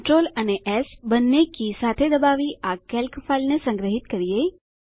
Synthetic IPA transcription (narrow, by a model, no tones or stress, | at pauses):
ʈɾoːləneʔɛːsbənːekisaːt̪ʰed̪əbaːʋiʔakɛlkəfʰalnesə̃ŋɡɾəɦɪt̪kəɾije